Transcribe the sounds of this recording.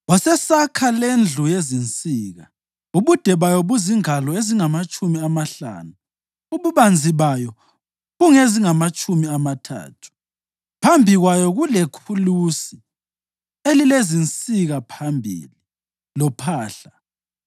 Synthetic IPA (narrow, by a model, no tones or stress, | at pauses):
ɔsɛsakʰalend͡ɮʱujezint͡sʼiːɣa | uβud̥ʱɛβajɔβuziŋalɔeziŋamat͡ʃʼumiamaɬa̰ːnu | uβuβand͡zʱiβajɔ | ɣuŋeziŋamat͡ʃʼumiamatʰa̰ːtʰu̥ | pʰambʱiɣwajɔɣulekʰulusi | elilezint͡sʼiɣapʰambʱḭli | lɔpʰaːɬa